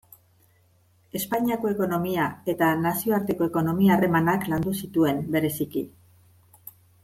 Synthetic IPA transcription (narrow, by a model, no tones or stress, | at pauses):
e̞spaɲiako̞e̞ko̞no̞miae̞t̪anasio̞aɾt̪e̞ko̞e̞ko̞no̞miaːre̞manakland̪usit̪ue̞mbe̞ɾe̞siki